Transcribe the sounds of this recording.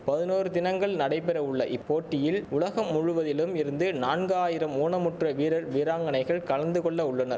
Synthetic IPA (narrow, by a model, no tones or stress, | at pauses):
pɐðɪnoːɾɯt̪ɪnɐŋɡɐɭnɐɽɐɪpɛɾɐʊɭːɐʔɪpːoːʈːɪjɪlʊɭɐɣɐmːʊɻʊʋɐðɪlɯmɪɾɯnd̪ɯnaːnɡɯaːjɪɾɐmuːnɐmʊʈrɐʋiːɾɐɾʋiːɾaːŋɡɐnɐɪɣɐɭkɐɭɐnd̪ɯkɔɭːɐʊɭːɐnɐɾ